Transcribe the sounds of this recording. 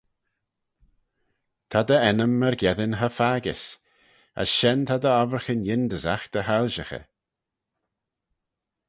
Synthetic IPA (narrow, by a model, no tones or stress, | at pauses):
t̪ʰad̪əɛnəmːəɹɡjɛðɪnɦəfaːɡɪ̰s | ə̰sʃɛnt̪ʰad̪əɔvəɹxənjɪnd̪əza̰xd̪̥əhalʒəxə̰